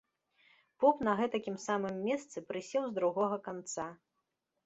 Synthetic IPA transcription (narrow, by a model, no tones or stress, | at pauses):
pɔpnɐɣɛt̪ɐkʲimsamɨmːʲɛst̪sɨpɾɨsʲɛwzd̪ɾuɣɔɣɐkant̪sa